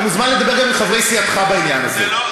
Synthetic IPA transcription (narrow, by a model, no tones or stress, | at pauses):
muzmanled̪abeʁɡamilχavʁejsiatχabainjanazḛ